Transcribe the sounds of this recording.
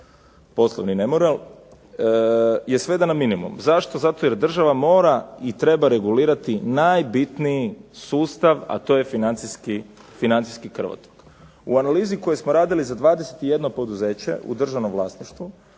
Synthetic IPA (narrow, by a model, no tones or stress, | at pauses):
po̞slˠoʋninemoɾelˠ | je̞sʋed̪anaminimṵmzaʃt̪o̞zat̪o̞je̞ɾd̪r̩ʒaʋamo̞ːɾait̪ɾe̞baɾe̞ɡuliːɾat̪inajbit̪nijisuːst̪aʋa̰t̪o̞je̞finant̪siski | finant̪i̥skikr̩ʋa̰t̪o̥k | uanaliːziko̞jesmoɾaːd̪ilizad̪ʋaːd̪ese̞̥t̪ije̞d̪no̞po̞d̪uze̞ːt͡ɕe̞̰ʔṵd̪r̩ʒaʋno̞mʋlˠa̰ːsniʃt̪ʋu